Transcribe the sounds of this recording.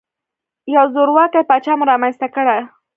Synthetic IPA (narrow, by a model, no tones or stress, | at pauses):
jawzoɾwakajpat͡ʃɑmɾɑmanst̪akəɽaj